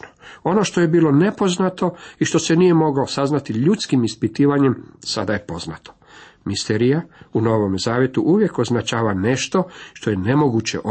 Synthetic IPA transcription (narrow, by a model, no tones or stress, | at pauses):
noo̞no̞ʃt̪o̞je̞biːlˠo̞ne̞po̞znat̪o̞iʃt̪o̞se̞nije̞mo̞ɡosaznat̪iʎut̪skimispit̪iːʋaɲe̞msad̪aje̞po̞znat̪ʰo̥ | mist̪eɾijauno̞ʋo̞mzaːʋje̞t̪uʔuʋje̞ko̞znat͡ʃaːʋane̞ʃt̪o̞ʃt̪o̞je̞ne̞mo̞ɡut͡ɕe̞̰ʔo